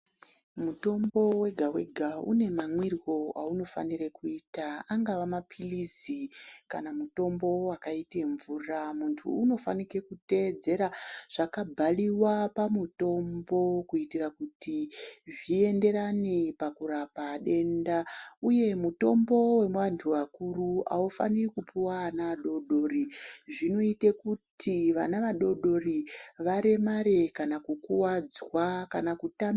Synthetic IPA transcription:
muto̞mbo̞we̞ɡʱawe̞ɡʱaṵne̞mamwirwo̞a̰uno̞fa̰nirekuitaaŋɡaʋamapʰilizika̰namuto̞mbo̞wakaiteɱvuːramuntʰṵːno̞fa̰nike̞kute̞d͡ze̞ɾaʐ̥akabʱaliwapamuto̞mbo̞kuitirakutiʐie̞nde̞ɾanipakurapaɗe̞ndauje̞muto̞mbo̞we̞mwantʰuwakurua̰ufanirikupuwaanaʋaɗo̞ɗo̞riʐino̞ite̞kutʰiʋanaʋaɗo̞ɗo̞riʋaɾe̞maɾe̞kanakukuwad͡zwakanakutam

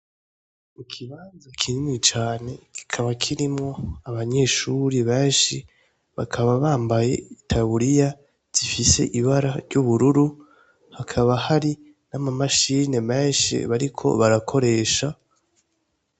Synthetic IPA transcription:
mukʰiβaːnzakʰinimit͡ʃaːne̞ki̥kʰaβakʰiɾimŋo̞aβaɲe̞ʃuɾiβe̞ːnʃi | βakʰaβaβaːmbaje̞̰itʰaβuɾija | z̥ifise̞̰ʔiβaɾaɾɟuβuɾuɾu | hakʰaβahaɾi | namamaʃiːne̞me̞ːnʃḭβaɾikʰo̞̰βaɾakʰo̞ɾe̞ːʃa

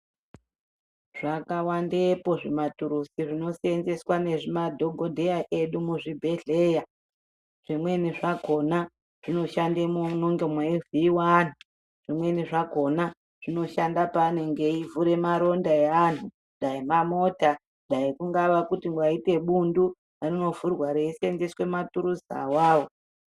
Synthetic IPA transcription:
ʐ̥akawandepo̞ʐimatuɾusiʐino̞sienze̞swane̞ʐimadʱo̞ɡʱo̞dʱe̞jaʔe̞ɗumuʐibʱe̞ɮe̞ːja | ʐ̥imwe̞niʐaɡʱo̞na | ʐ̥ino̞ʃandemonoŋɡemweiviːwan̤u | ʐ̥imwe̞niʐaɡʱo̞na | ʐ̥ino̞ʃandapane̞ŋɡe̞ivuɾe̞maɾo̞ndaean̤u | ndaimamo̞ta | ndaikuŋɡaʋakutiŋɡwaite̞ɓundu | arino̞vurwaɾeisenzeswe̞matuɾuza̰waːwo

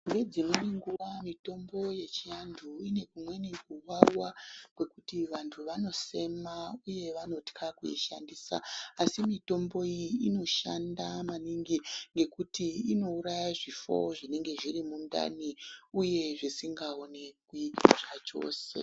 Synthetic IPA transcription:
ŋɡe̞d͡zimuniŋɡuʋamito̞mbo̞je̞t͡ʃijandʰʱuine̞kumwe̞nikuwarwakwe̞kutiʋantʰuʋano̞se̞mauje̞ʋano̞tkʰakuḭʃa̰ndisa̰ːsimito̞mbo̞ijiino̞ʃandamaniŋɡiŋɡe̞kutiino̞uɾajaʐifo̞̰ʐine̞ŋɡe̞ʐirimunda̰niuje̞ʐisiŋɡao̞nekuiaʐat͡ʃo̞̰ːse̞̰

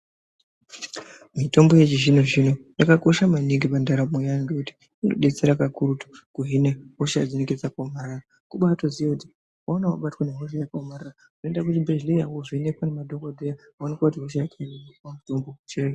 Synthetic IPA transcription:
mito̞mbo̞je̞t͡ʃiʒino̞ʐino̞jakako̞ʃamaniŋɡipandaɾamojaŋɡekuti̥ | ino̰ɗe̞t͡seɾakakuɾutu̥kuɦineɦoʃajad͡zineked͡zakomaɾara | kuɓaːtoziwakuti̥ | waonawa̰ɓatwaneɦoʃajakamaɾarakunoendak̬utibʱeʒlejawoʐinekwanemadʱokodʱeja | aonikwakutiɦoʃ̬ajakaineipamuto̞mbot͡ʃire

